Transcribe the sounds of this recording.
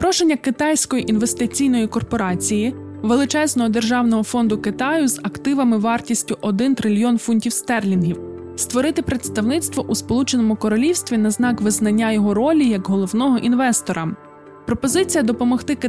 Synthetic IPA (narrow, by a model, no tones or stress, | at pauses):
pɾɔʃenʲːɐkɪt̪ɑjsʲkɔjiʔinʋe̞st̪ɪt͡sʲijnɔjikɔrpɔɾɑt͡sʲiji | ʋelˠɪt͡ʃɛznɔɦɔd̪erʒɑwnɔɦɔfɔnd̪ʊkɪt̪ɑjʊzɐkt̪ɪʋɐmɪʋɑrtʲisʲtʲʊʔɔd̪ɪnt̪ɾɪlʲiɔnfunʲtʲiwst̪ɛrlʲinɦʲiw | st̪ʋɔɾɪt̪ɪpɾet̪st̪ɐwnɪt̪st̪ʋɔʔuspɔlˠut͡ʃenɔmʊkɔɾɔlʲiwsʲt̪ʋʲinɐznɑkʋɪznɐnʲːajɔɦɔɾɔlʲijɐɡɦɔlˠɔwnɔɦɔʔinʋɛst̪ɔɾɐ | pɾɔpɔzɪt͡sʲijɐd̪ɔpɔmɔxt̪ɪk